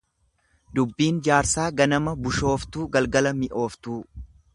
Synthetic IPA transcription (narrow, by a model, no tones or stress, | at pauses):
d̪ʊbːiːnd͡ʒaːɾsaːɡɐnɐmɐbʊʃo̞ːft̪uːɡɐlɡɐlɐmɪʔo̞ːft̪uː